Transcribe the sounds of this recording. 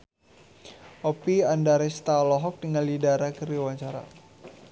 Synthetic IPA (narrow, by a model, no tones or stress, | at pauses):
ʔɔpiandaɾɛst̪alɔɦɔk̚dəŋalidaɾakəɾiwaɲt͡ʃaɾa̰